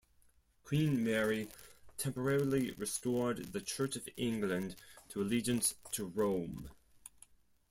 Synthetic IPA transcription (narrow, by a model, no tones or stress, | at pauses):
kʰw̥ĩnmɛɹitʰɛ̃mpə˞ɛɹl̩ˠiɹɨstɔɹd̪ðɨt͡ʃʰɜˑ˞t͡ʃəvɪ̃ŋɡlə̃ntʰəəlid͡ʒɨ̃nstʰəɹõʊ̃m